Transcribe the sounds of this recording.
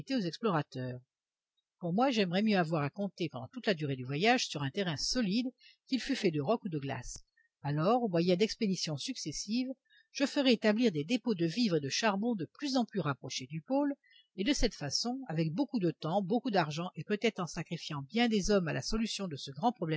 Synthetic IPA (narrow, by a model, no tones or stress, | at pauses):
t̪eozɛksplɔʁat̪œːʁ | puʁmwaʒɛmʁɛmjøavwaʁakɔ̃t̪epɑ̃d̪ɑ̃t̪ut̪lad̪yʁed̪yvwajaʒsyʁɛ̃t̪eʁɛ̃sɔlid̪kʲilfyfɛd̪əʁɔkud̪əɡla̰s | alɔʁomwajɛ̃d̪ɛksped̪isjɔ̃syksɛsiv | ʒ̥əfəʁɛet̪abliʁd̪ed̪epod̪əvivʁed̪əʃaʁbɔ̃d̪əplyzɑ̃plyʁapχɔʃed̪ypol | ed̪əsɛt̪fasɔ̃avɛk̚bokud̪ət̪ɑ̃bokud̪aʁʒɑ̃ʔepøt̪ɛt̪χɑ̃sakχifjɑ̃bjɛ̃d̪ezɔmala̰sɔlysjɔ̃d̪əsəɡʁɑ̃pχɔblɛ